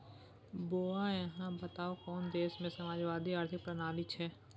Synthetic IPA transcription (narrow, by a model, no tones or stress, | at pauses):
boːajɐɦãbət̪aːokɔːnd̪eːsmẽsɐmaːd͡ʒʋaːd̪iaːɾt̪ʰɪk̚pɾənaːlit͡ʃʰɛː